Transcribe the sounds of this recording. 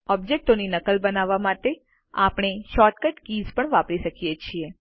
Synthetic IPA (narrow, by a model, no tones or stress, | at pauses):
ɔb̚d͡ʒek̚ʈoninəkəlbənaʋamat̪e | a̰pɽ̃eʃɔʈ̚kəʈkizpəɳʋapɾiʃəkijet͡ʃʰie